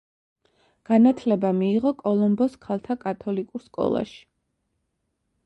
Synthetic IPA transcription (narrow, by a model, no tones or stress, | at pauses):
ɡ̥anat̪ʰlɛbamiːʁɔkʼɔlˠɔmbɔskʰalˠt̪ʰakʼat̪ʰɔlikʼuɾskʼɔ̰lˠa̰ʃi̥